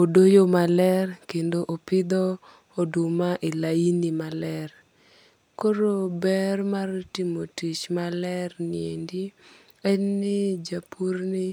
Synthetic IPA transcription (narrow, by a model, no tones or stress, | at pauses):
odojomalɛrkendoʔopɪd̪ɔ | odumaʔilainimalɛr | koɾobɛrmartimotit͡ʃmalɛɾnɪendi | ɛnːɪd͡ʒapʰurnɪ